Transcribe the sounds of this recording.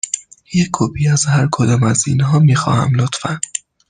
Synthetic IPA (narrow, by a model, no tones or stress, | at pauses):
jekʰobʰiːæzhæɾkʰod̪ɒːmæziːnɦɒːmiːxɒ̰ːhæ̰mlot̪fæn